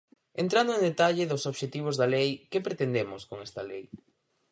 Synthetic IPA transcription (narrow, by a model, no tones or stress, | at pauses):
ent̪ɾand̪ʊẽŋd̪et̪aʎɪðʊsoβʃet̪iβ̞ʊzðɐlejkepɾet̪end̪emʊskoŋɛst̪ɐlej